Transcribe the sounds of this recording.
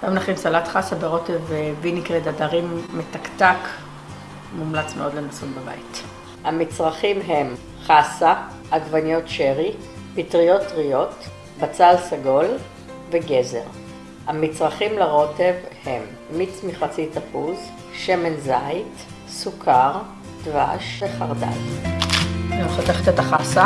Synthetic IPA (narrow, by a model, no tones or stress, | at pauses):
jamlaχimsalat̪χasabeʁo̞tevbinikʁedadaʁimːetaktak | mumlat͡smeo̞d̪lenasunbeba̰it | hamit͡sʁaχimɦe̞m | χasaː | ɡvanijo̞tʃeʁi | pitʁijo̞tʁijo̞t | bat͡salsaɡo̞l | veɡe̞zḛʁ | hamit͡sʁaχimlaʁo̞te̞vhe̞mː | it͡smiχat͡sit̪apuz | ʃemenzajt | sukʰaʁ | d̥̪vaʃveχaʁda̰j | nemχat̪eχet̪et̪aχasa